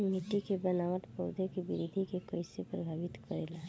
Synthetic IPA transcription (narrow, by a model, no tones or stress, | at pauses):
miʈikebənaːʋəʈ̪pəʊd̪ʱekibɪɾid̪ʱikekəɪsepɾəbʱaːʋɪt̪kəɾeːla